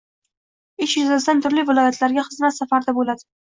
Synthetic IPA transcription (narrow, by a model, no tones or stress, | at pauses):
ɪʃjʊzasd̪ant̪ʰʊɾlivɪlˠɒjat̪ʰlaɾɡʲaχɨzmat̪safaɾd̪abolad̪ɪ